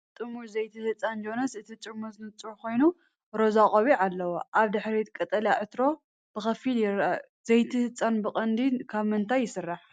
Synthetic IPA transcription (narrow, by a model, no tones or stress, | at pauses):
t̪ʼɨmuɾzɐjt̪ʰihɨt͡sʼand͡ʒo̞nɐsɨt̪ʰit͡ʃʼɪmozɨnɨt͡sʼuko̞jnu | ɾozakʼoβiʕalːɐwoʔaβd̪ɨħɾit̪kʼɐt̪ʼɐljaʕɨt̪ɾo̞ | b̥ɨxɐfiljɪɾ | zejt̪ʰihɨt͡sʼanbɨkʼɐnd̪ikʰaβmɨnt̪ʰajːɪsɨrːaħ